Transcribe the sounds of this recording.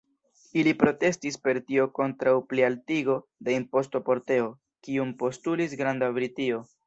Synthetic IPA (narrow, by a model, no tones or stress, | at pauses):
ilipɾo̞te̞stispe̞ɾtio̞ko̞ntɾawplialtiɡo̞de̞impo̞stopo̞ɾte̞o̞ | kiumpo̞stulisɡɾandabɾitio̞